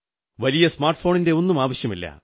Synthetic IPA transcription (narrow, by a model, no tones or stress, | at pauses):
ʋɐlijɐsmaːrʈfo̞ːɳinde̞o̞nːumaːʋɐɕjɐmilːɐ̰